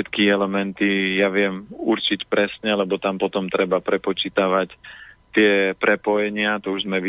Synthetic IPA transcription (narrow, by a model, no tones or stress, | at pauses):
ɛt̪kiɛlɛmɛnt̪ijaʋɪɛmuɾt͡ʃicpɾɛsɲɛlɛbɔt̪ampɔt̪ɔmt̪ɾɛbapɾɛpɔt͡ʃiːt̪aʋact̪ɪɛpɾɛpɔjɛɲɪat̪ɔuʒzmɛʋi